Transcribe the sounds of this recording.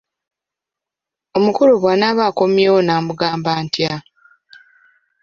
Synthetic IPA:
o̞mukuluβwaːnaβaːko̞mjewonaːmuɡaːmbaːntja

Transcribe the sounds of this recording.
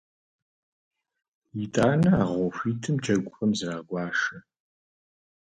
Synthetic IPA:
jɪtʼaːnɐaːʁʷɔxʷiːtʰɨmd͡ʒʰɐɡʷʊxʼɐmzraːɡʷɑːʂɐ

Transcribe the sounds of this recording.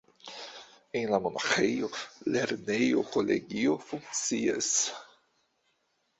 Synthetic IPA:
enlamona̰χejoleɾnejokolḛɡiofuŋk̚t͡sia̰s

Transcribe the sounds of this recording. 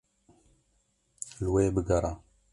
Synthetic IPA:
lwejbəɡaɾa

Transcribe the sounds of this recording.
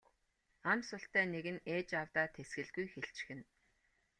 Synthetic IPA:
amsʊɬt̪æːneɣɘ̆neːt͡ɕawt̪aːt̪ʰesɡɘ̆ɮɡujxeɬt͡ɕxɘ̆n

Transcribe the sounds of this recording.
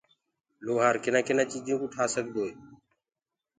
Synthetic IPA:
loːɦaːɾkɪnãːkɪnãːt͡ʃiːd͡ʒũːkʊʈʰaːsəɡd̪oːeː

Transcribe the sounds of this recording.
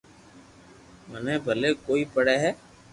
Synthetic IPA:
mənẽːbʱəleːkoːiːpəɽɛːɦɛː

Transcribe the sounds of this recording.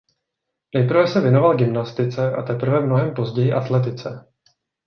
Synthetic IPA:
nɛjpɾ̩vɛsɛvjɛno̞valɡɪmnast̪ɪt͡sɛʔat̪ɛpr̩vɛmno̞ɦɛmpo̞zɟɛjɪʔat̪lɛt̪̬ɪt͡sɛ

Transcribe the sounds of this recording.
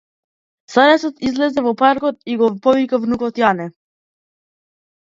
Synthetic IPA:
saɾɛsɔt̪izlɛzɛvɔpaɾkɔt̪̚iɡɔpɔvikavnukɔt̪janɛ

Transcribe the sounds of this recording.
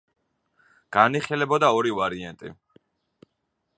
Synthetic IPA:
ɡ̥aniχilɛbɔd̪aɔɾivaɾiɛ̰nt̪ʼḭ

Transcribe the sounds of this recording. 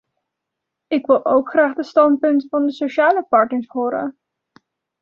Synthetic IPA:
ɪkʋɪlˠʔowkχraːχdəstɑnt̚pɵntvɑndəsoʃaːləpɑɹtnəɹsɦoːɾə̰

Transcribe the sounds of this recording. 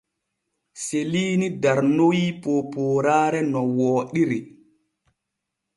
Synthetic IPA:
seliːnidaɾnojipoːpoːɾaːɾɛnɔwɔːɗiɾi

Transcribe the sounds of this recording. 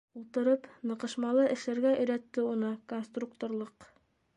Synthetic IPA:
ulˠt̪ɤ̆ɾɤpnɤ̆qɤ̆ʃmɑlˠɤʔɘ̆ʃlæɾɡæʔɘ̆jɾæt̪ːɘunɤkonst̪rukt̪oɾlˠɤq

